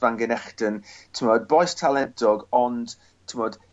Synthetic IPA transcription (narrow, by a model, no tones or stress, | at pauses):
vaŋɡənɛχd̥əntʰəmɔd̚bɔjstʰalˠɛntʰɔɡɔnd̥ | tʰəmɔd̥